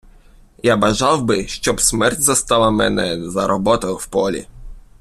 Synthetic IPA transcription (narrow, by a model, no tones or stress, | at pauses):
jabaʐawbɘɕt͡ɕɔpsʲmɛɾd͡ʑʲzast̪awamɛ̰nʲɛzaɾʔɔbɔt̪ɔwfpɔlʲḭ